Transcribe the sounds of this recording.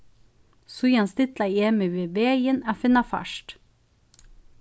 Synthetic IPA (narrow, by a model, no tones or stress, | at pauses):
sujɑnst̪ɪt̪lɑeːmɪʋeːbeːjənæːfɪnɑfæ̰ʃʈ